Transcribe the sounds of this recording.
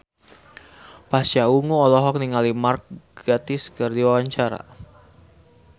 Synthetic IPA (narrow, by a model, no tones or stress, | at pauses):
pasauŋuɔlɔɦɔk̚niŋalimark̚ɡat̪iskərdiwawaɲt͡ʃaɾa̰